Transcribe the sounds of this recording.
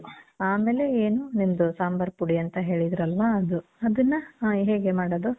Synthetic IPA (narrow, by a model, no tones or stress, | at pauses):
aːme̞ːle̞eːnunimɐd̪usaːmbɐɾpuɽiɐnt̪ɐɦe̞ːɭid̪ɾɐlʋaːd̪uɐd̪ɐnːɐɦeːɡe̞maːɽod̪u